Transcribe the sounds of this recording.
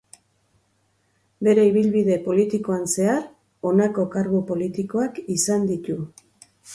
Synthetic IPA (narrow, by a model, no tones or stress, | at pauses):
be̞ɾe̞iβilβiðe̞po̞lit̪iko̞anse̞aɾ | o̞nako̞kaɾɣupo̞lit̪iko̞akisand̪it̪u